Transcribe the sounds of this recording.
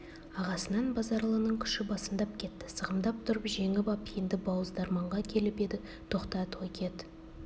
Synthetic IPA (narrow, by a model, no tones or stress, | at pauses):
ɑʁɑsənɑnbɑzɑɾlˠənəɴkʲʰʏ̥ʃɪbɑsəmd̪ɑp̚kʲʰe̞t̪ːɪ̥səʁəmd̪ɑp̚t̪ʰʊɾəpʒe̞ŋɪbɑpnd̪ɪbɑwəzd̪ɑɾmɑɴʁɑkʲʰe̞lɪpe̞d̪ɪ | t̪ʰo̞qt̪ɑt̪ʰojkʲʰe̞t̪